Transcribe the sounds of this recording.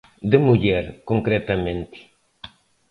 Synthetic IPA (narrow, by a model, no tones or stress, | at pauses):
d̪emuʎɛɾkõŋkɾɛt̪amẽnt̪i̥